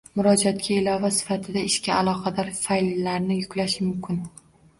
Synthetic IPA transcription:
mʊɾɒd͡ʒat̪̚kʲaɪlɒvasɪ̥fat̪ʰɪd̪aɪʃkʲaalˠɒqʰɑd̪aɾfallːaɾnɪjʊkʲlaʃmʊmkʲʰɪn

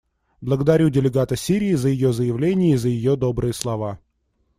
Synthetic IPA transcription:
blˠəɡəd̪ɐɾʲudʲɪlʲɪɡat̪əsʲiɾʲɪːzəjɪjo̞zəjɪvlʲenʲɪjəizəjɪjod̪o̞bɾɨjəslˠɐva

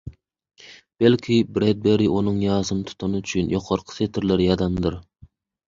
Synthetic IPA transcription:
b̥ɛlkʲʰibɾɛd̪̚beɾɪʔunɨŋjɑːzɨnɨt̪ʰu̥t̪ʰɑnɨyt͡ʃʰynjoqʰɑɾqʰə̥set̪ʰɪɾlɪɾjɑd̪ɑnd̪ɨɾ

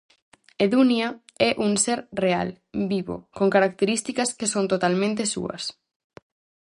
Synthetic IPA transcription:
eðunja | ɛʔuŋseɾrea̰l | biβo̰koŋkaɾak̚t̪eɾist̪ikɐskesont̪ot̪almẽnt̪̬esṵɐ̰s

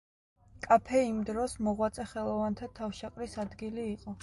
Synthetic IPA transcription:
kʼapʰɛimd̪ɾɔsmɔʁwat̪sʼɛχɛlˠɔvant̪ʰat̪ʰafʃaqʼɾisad̪ɡiliːqʼɔ

